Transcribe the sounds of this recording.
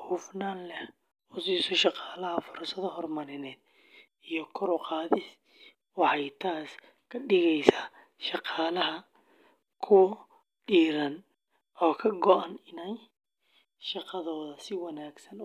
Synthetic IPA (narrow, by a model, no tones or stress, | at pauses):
huːfnaːnlɛh | ʔʊsiːsɔʃɑqɑːlɐɦɐfʊɾsɐðɐhɔrmɐɾɪnɛːd̪̚ | ijɞkʰɔɾʊqɑːðɪs | wɑħɑjt̪ʰaːs | kʰɐɖɪɣɛjsaː | ʃɑqɑːlɐɦɐ | kʰʊwɐ | ɖiːɾɐn | ʔɔːkʰɐɡɔʔɐnɪnɛj | ʃɑqɑðɔːðɐsɪwɑnaːɡsɐn